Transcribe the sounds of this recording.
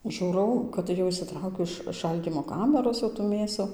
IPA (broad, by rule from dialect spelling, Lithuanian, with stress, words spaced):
ˈʒuːrɐʊ kɐt ˈjɛʊ ɪʃʲsʲɪˈtrɐʊkʲʊ ɪʃ ˈʃɐlʲdʲiːmoː ˈkɑːmʲæroːs jɛʊ tuː ˈmʲeːsʊ